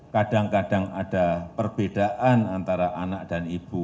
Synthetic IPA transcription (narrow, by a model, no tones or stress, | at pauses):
kad̥aŋkadaŋad̥apərb̥ed̥aʔanant̪aɾaʔanak̚d̥anib̥u